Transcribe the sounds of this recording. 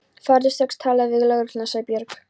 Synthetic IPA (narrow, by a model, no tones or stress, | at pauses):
faɾðɪsɛkst̪ʰaːlavɪɣlaɣɾʏlnasaːjpjœɾk